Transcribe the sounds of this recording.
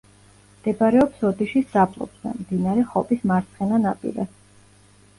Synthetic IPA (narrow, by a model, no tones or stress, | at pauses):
md̪̥ɛbaɾɛɔpsɔd̪iʃisd̪apʼlˠɔ̰bz̥ɛ̰md̪inaɾɛχɔpʼismaɾt̪sʰχɛnanapʼḭɾɛ̰